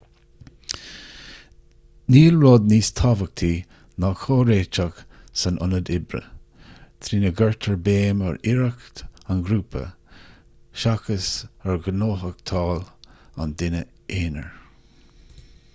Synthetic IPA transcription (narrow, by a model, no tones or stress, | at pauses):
niːlɹɔd̪̚niːst̪ʰɑvək̚t̪ʰiː | nakʰoːɾeːt͡ʃak | sanʔʊ̰nəd̪ɪbɾə̰ | t̪ʰɾiːnəɡəɹt̪ʰəɹbeːmə̰ɹɪɹakt̪anɡɾuːpʰə̰ | ʃakəsəɹɡənoːɦək̚t̪ʰɑːla̰nd̪ɪnə | eːnə̰ɹ